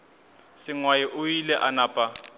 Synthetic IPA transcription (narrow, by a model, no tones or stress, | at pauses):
sɪŋwajiʔʊilɛʔanaːpʼa